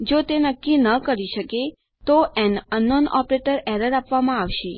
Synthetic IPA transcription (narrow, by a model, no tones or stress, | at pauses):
d͡ʒot̪enəkːinəkəɾiʃəke | t̪oʔɛnənːɔnɔ̰pɾeʈəɾɛɾəɾapʋamãaʋʃe